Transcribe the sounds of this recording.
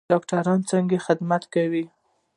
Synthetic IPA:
ɑkʈaɾɑnt͡saŋɡexɪd̪mat̪kawi

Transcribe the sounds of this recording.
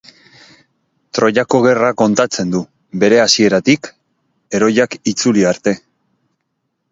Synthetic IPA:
t̪ɾo̞ʎako̞ɣ̞e̞rako̞nt̪at͡se̞nd̪u | be̞ɾe̞asie̞ɾat̪ik | e̞ɾo̞jakit͡suliaɾt̪e̞

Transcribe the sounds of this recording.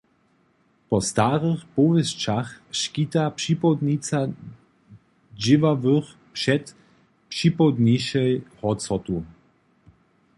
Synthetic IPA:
pɔst̪aʁəxpɔvɛst͡ʃaxʃkit̪apʂipɔd̪nit͡sa | d͡ʒɪvavəx | pʂɛt̪ | pʂipɔd̪niʃɛjhɔsɔt̪u

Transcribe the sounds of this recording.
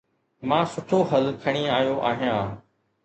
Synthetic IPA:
mãːsʊʈʰoɦɐlkʰəɽ̃iaːɦjoʔa̰ːɦijãː

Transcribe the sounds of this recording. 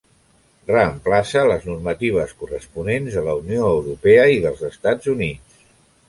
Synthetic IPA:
rəːmplasələznurmət̪iβ̞əskurəspunenzðələunioəwɾupɛəiðəlˠzəst̪ad͡zunit͡s

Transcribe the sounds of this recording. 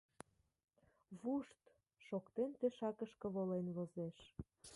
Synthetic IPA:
βuʃt̪ | ʃokt̪ent̪eʃɑkəʃkə̆βolenβozeʃ

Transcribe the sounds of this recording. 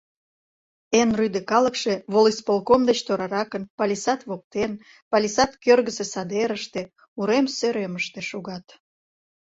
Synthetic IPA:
enryd̪ekɑləkʃeβolispolˠkomd̪et͡ɕt̪oɾɑɾɑkənpɑlʲisɑt̪βok̚t̪en | pɑlʲisɑt̪kørɣəsesɑd̪eɾəʃt̪e | uɾemsøɾeməʃt̪ĕʃuɣɑt̪

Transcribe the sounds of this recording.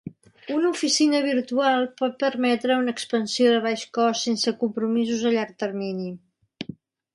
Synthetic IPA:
unəufisinəβ̞iɾt̪ualˠpɔt̪̚pəɾmɛt̪ɾəunəːkspənsioðəβ̞aʃkɔsːensəkumpɾumizuzəʎaɾk̚t̪ərmini

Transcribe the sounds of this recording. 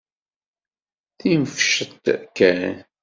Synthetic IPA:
θiməfʃət̪ːkːæn

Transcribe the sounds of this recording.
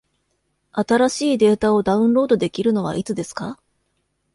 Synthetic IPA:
at̪aɾaɕiːd̪e̞ːt̪ao̞d̪aɯ̟̃ɴɾo̞ːd̪o̞d̪e̞kʲiɾɯ̟no̞β̞a̰ʔit͡sɨd̪e̞sɨ̥ka

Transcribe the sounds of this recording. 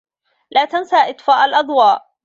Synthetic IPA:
laːt̪ansaːʔɪt̪ˤfaːʔalʔɑd̪ˤwɑːʔ

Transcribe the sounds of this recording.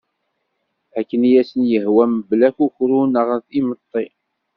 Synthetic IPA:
ækːənjæsənjəhwæməblækuçɾunəʁənθimət̪ˤːi

